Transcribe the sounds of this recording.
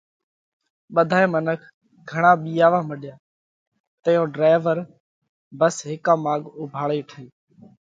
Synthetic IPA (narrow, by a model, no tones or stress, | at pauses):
ɓəd̪ʱaːẽːmənəkʰ | ɡʱəɳãːɓiːaːʋãːməɗɪjaː | t̪əjõːɖɾaːɪʋəɾ | bəsɦɪkãːmaːɠʊbʱaːɭeːʈʰəeː